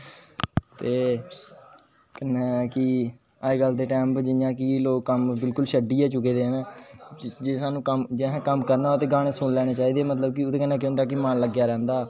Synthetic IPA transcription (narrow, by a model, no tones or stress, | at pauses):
t̪eː | kənːɛ̃ːkɪ | aːeɡəld̪eːʈɛ̃ːmpd͡ʒɪjãːkɪloːkːəmbɪlkʊlʃəɖiːaːt͡ʃʊkeːd̪eːɦnː | d͡ʒeːsaːnũːkəmd͡ʒeɦːkəmkəɾnaːoːt̪eːɡaːɽeːsʊɳlɛːɽ̃eːt͡ʃaːiːd̪eːmət̪ləb̚kɪʊd̪eːkənːɛ̃ːk̬ɪnt̪aːkːimaːnləɡjaːɾɛ̃ːnd̪aː